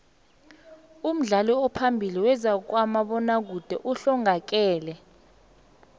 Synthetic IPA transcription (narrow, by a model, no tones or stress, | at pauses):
um̩ɮalɔɔpʰambʱiliwɛzak̬wamaɓɔnak̬ud̥ʱɛʔuɬɔŋak̬ɛːlɛ